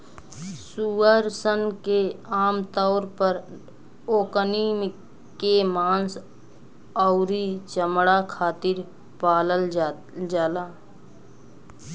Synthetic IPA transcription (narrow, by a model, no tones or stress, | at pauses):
suəɾsənkeaːmt̪ɔːɾpəɾ | oːkəniːm | kemaːns | ɔʊɾit͡ʃəmɽakʰaːt̪ɪɾ | paːləl | d͡ʒaːlaː